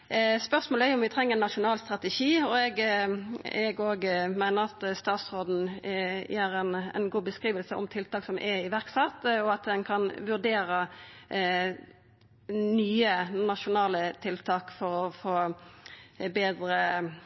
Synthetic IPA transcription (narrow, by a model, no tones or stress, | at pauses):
spœʁsmoːləæʊʊmʋɪt̪ʰʁɛŋːəʁɛnːɑʃʊnɑːlst̪ʁɑt̪ɛʂiːɔɛɡ | ɛɡoːɡmæɪnəʁɑt̪st̪ɑːt̪sʁoːd̪n̩jæːɾɛnɛ̰nɡuːbəskʁiːʋəlsəʔɔ̰mt̪ʰɪlt̪ɑːksɔmʔɛɪʋæʁksɑt̪ːɔɑt̪̚d̪ɛnkʰɑnʋʉʁd̪eːɾə | nyːənɑʃʊnɑːlət̪ʰɪlt̪ʰɑːkfɔɾɔfoː | beːd̪ʁə